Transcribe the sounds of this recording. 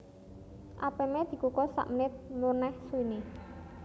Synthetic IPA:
ʔapemed̪̥i̤kukɔsa̰ʔmənɪt̪̚munɛhsuine

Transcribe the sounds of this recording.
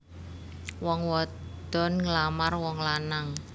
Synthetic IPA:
wɔŋwɔ | d̪̥ɔ̤nŋlamarwɔŋlanaŋ

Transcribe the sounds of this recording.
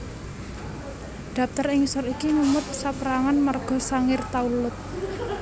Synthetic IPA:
d̪̥a̤p̚t̪ərɪŋsʊɾikiŋumʊt̪̚sapəɾaŋanmarɡ̥ɔ̤saŋɪrt̪aulʊt̪̚

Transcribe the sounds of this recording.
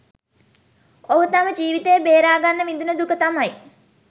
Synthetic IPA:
oɦut̪aməd͡ʒiːʋit̪ejəbeːɾaːɡanːəʋind̪unəd̪ukət̪amaj

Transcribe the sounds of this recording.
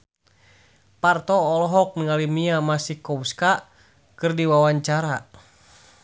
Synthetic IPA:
part̪ɔːlɔɦɔk̚niŋalimiamasihkɔwska | kɨrdiwawaɲt͡ʃaɾa

